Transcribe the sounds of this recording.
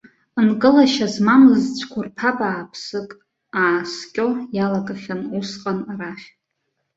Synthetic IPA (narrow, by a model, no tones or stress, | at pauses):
ɨnkʼɨlaʃazmamɨzt͡ɕʷʰkʷʰʊrpʰapʼaːpʰsɨkʼ | aːskʲʼojalakʼaχʲanusqʼanraχʲ